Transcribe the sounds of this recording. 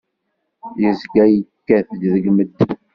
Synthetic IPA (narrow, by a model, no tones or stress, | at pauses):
jəzɡæjəkːæθd̪ðəɡməd̪ː